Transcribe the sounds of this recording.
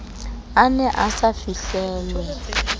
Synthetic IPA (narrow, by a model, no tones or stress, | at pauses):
anɛʔasafiɬɛːlwɛ